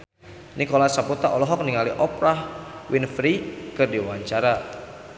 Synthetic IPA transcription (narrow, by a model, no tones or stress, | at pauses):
nikolasaput̪aʔɔlɔɦɔk̚niŋaliʔɔpɾahwɪnfɾikɨrdiwaɲt͡ʃaɾa